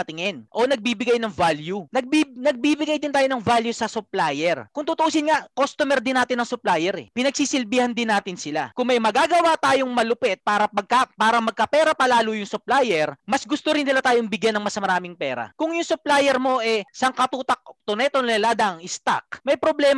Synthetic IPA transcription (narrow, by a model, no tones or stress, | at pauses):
ɐt̪ɪŋɛnʔo̞nɐɡ̚biːbɪɡajnɐŋvaːljunɐɡ̚binɐɡ̚biːbɪɡajd̪ɪnt̪aːjonɐŋvaːljusɐsʊplajɛɾkʊŋt̪ʊt̪oʔuːsɪnŋaʔkost̪omɛɾd̪ɪnːaːt̪ɪnːɐŋsʊplaːjɛɾɛ̰pɪnɐɡ̚siːsɪlbiːhɐnd̪ɪnːaːt̪ɪnsɪlakʊŋmɐjmɐɡaːɡɐwat̪aːjoŋmɐlʊpɛt̪̚paːɾɐpɐɡ̚kapaːɾɐŋmɐɡ̚kɐpɛːɾɐpɐlaːlʊjʊŋsʊplaːjɛɾmɐsɡʊst̪oɾɪnːɪlat̪aːjoŋbɪɡjanɐŋmɐsmɐɾaːmɪŋpɛːɾɐ̰kʊŋjʊŋsʊplaːjɛɾmo̞ʔɛsɐŋkɐt̪uːt̪ɐk̚t̪onɛt̪onnɪlaːd̪aʔɐŋɪst̪a̰k̚mɐjpɾoblɛːm